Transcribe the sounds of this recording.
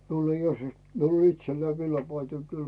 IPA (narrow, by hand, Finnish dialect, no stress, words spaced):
miul ei os miul o itselːæi ʋilːɑpɑitoi kyl